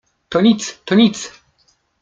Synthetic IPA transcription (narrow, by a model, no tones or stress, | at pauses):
t̪ɔnʲit̪st̪ɔnʲit̪s